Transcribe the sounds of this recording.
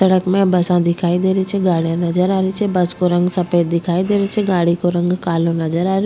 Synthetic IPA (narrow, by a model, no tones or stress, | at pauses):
ɐɽəkmẽbɐsãd̪ɪkʰaːid̪eːɾit͡ʃʰeɡaːɽijãnɐzəɾaːɾit͡ʃʰebɐskoɾɐ̃ŋɡsɐpeːd̪ɪkʰaːid̪eːɾet͡ʃʰeɡaːɽikoɾɐ̃ŋɡkaːlõnɐzəɾaːɾ